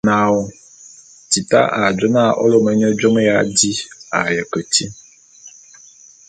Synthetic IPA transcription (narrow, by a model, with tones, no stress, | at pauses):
nã˨wo˨ | ti˨ta̰˦ʔa˨d͡ʒɔ˦nã˦˨ʔɔ̰˦lo˦mɛ˨ɲɔ˦d͡ʒɔ˦me˦ja˨˦di˦a̰˨jə˨kə˨ti˦